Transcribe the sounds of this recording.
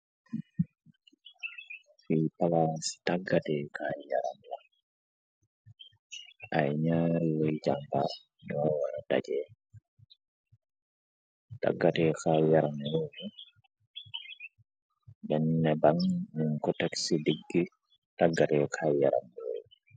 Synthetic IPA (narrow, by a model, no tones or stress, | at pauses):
fipalastaɡːatɛkajja̰ɾa̰mla | ʔajɲaːɾiwɛjd͡ʒambaɾ | nɔwaɾada̰d͡ʒɛ | ta̰ɡːatɛkajaɾamluni | bɛnːɛbaŋniŋkɔtaksidiɡːi | taɡːatɛkʰajjaɾa̰mlɔ̰